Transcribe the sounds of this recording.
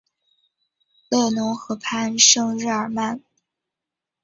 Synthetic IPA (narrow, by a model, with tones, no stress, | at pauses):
le˥˩ɪnʊ˧˥ŋxɤ˧˥pʰa˥˩nʂɤ˥ŋɻɻ̩˥˩ə˞˨˩ma˥˩n